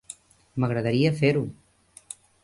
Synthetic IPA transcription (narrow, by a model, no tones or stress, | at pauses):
məɣ̞ɾəðəɾiəfeɾu